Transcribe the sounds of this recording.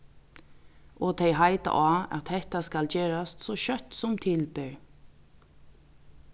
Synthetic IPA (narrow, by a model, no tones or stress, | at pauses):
ʔoːt̪ʰɛɪhɑɪt̪ə̰ʔɑːɑ̰t̪hɛt̪askɑld͡ʒeːɹɑst̪soːʃœt̪sɔmt̪ʰɪlbøːɹ